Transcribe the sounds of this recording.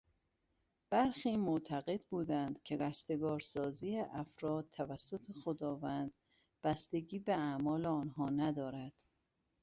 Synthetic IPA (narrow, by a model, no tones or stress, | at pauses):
b̥æɾxiːmot̪ʰæɣe̞d̪̚buːd̪ænd̪̥cʰe̞ɡæst̪e̞ɡɒːɾsɒːziːeʔæfɾɒːd̪̚t̪ʰːævæsːo̞t̪ʰexod̪ɒːvænd̪ | b̥æst̪e̞ɟiːbeæmɒːleɒːnɦɒːnæd̪ɒːɾæd̪̥